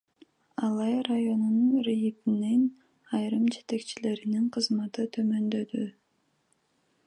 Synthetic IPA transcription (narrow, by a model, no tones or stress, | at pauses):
ɑlˠɑjɾajo̞nununrijipinin | ɑjɾɯmd͡ʒe̞t̪e̞kt͡ʃile̞ɾiniɴqʰɯzmɑt̪ɯt̪ʰø̞mø̞nd̪ø̞d̪y